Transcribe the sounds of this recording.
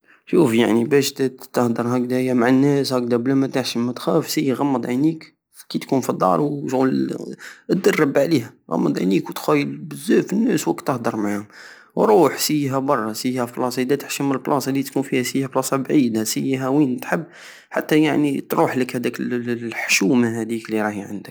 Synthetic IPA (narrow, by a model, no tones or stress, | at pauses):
ʃufjaʕnibæʃt̪t̪əhd̪əɾˤɦækd̪æjæmaʕanːæshæk̚d̪æblæmæt̪əħʃəmːæt̪xæfsəjːɣɑmːəd̪ˤʕinik | kit̪kunfid̪ˤːɑ̰ɾˤwʃɣul | d̪ərːəbʕlihæɣɑ̰mːəd̪ˤʕa̰nikwt̪xæjəlbəzːæfənːæswækt̪ːəhd̪əɾˤmaʕhʊm | wɾˤuħsəjːɦæbɑrˤːɑsəjːhæflɑsˤɑd̪æt̪ə̥ħʃəməlblʔɑsˤɑlit̪kunfihæsəjhæblɑsˤɑbʕid̪asəjːɦæwint̪ħəbː | ħat̪ːæjaʕnit̪ɾuħləkhæd̪ækəħʃumaɦæd̪ikliɾˤɑhjʕə̰nd̪ək̚